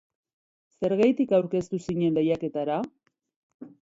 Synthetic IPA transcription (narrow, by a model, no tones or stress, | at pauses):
se̞ɾɣajt̪ikawɾke̞st̪usiɲe̞nd̪ejake̞t̪aɾa